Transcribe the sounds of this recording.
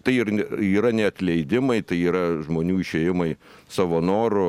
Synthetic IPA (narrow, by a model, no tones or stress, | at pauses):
t̪ɐɪɪrʲiːɾɐnʲɛɐt̪ʲlʲɛɪd̪ʲɪmɐɪt̪ɐɪiːɾɐʒmoːnʲuːɪʃʲeːjɪmɐɪsɑʋonoːɾʊ